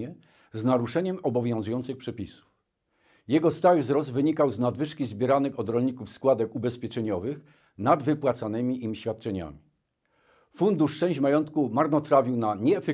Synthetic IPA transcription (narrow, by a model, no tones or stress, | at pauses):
ɛ | znaɾuʂɛɲɛmɔbɔvʲjɔ̃w̃zujɔnt̪sɘxpʂɛpʲisu̥f | jɛɡɔst̪awvzɾɔzt̪vɘɲikawznad̪vɘʂkʲizbʲjɛɾanɘxɔd̪ɾɔlɲikufskwad̪ɛkubɛspʲɛt͡ʂɛɲɔvɘx | nad̪vɘpwat̪sanɘmʲiʔimɕfʲat̪̚t͡ʂɛɲa̰mʲi | fund̪uʂt͡ʂɛ̃w̃ɕd͡ʑmajɔnt̪kumaɾnɔt̪ɾavʲiwnaɲɛːfɛ